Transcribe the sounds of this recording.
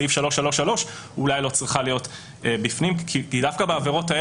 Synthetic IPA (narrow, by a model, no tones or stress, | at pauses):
ifʃalo̞ʃalo̞ʃalo̞ʃ | ulajlo̞t͡sʁiχalijo̞t | ebifnimkʰikidafkabeaveʁo̞tae